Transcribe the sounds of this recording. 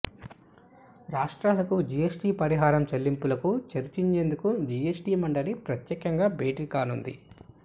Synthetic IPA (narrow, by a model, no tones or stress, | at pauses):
ɾaːʂʈɾaːlɐkud͡ʒijesʈiːpɐɾiɦaːɾɐmt͡ʃɐlːimpulɐkut͡ʃɐɾt͡ʃiɲt͡ʃe̞ːnd̪ukud͡ʒiesʈiːmɐɳɖɐlipɾɐt̪jɛːkɐŋɡaːbʱeːʈikaːnund̪ḭ